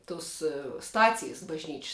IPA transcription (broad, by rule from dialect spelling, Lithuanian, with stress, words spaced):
ˈtʊs ˈstɑːt͡sʲɪjs bɐʒʲˈnʲiːt͡ʃʲsʲ